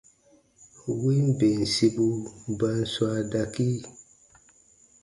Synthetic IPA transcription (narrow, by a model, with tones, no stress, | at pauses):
wi˦mbe˨n˨si˦bu˦ba˦n˦swa˦da˦ki˦